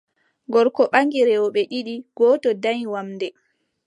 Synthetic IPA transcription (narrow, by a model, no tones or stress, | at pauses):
ɡɔɾkɔɓaŋɡiɾɛɔɓɛɗiɗiɡ̥ɔːtɔdaɲiwamdɛ